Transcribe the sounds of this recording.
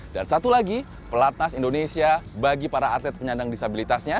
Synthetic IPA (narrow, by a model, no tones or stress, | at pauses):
d̥aɾisat̪ulaɡi | pəlat̪̚nasindonesiabaɡipaɾaːt̪lɛt̪̚pəɲandaŋdisabilit̪asɲa